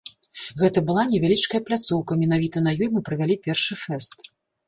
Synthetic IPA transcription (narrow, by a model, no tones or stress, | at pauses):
ɣɛt̪ɐbɨlˠanʲɛvʲalʲit͡ʂkɐjɐplʲat̪suwkɐmʲɛn̪avʲit̪ɐnɐjɔjmɨpɾɐvʲalʲipʲɛrʂɨfɛst̪